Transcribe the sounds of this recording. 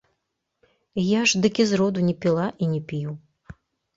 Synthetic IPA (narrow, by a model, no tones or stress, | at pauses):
jaʐd̪ɨkʲizɾɔd̪unʲɛpʲilˠaʔinʲɛpʲiju